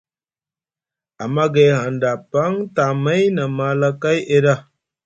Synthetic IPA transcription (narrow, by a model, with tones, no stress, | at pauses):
a˨ma˦ɡe˨˦ɦa˨nda˨pa˦ŋta˨ma˦jna˨ma˦la˦ka˦jʔe˦ɾa˦˨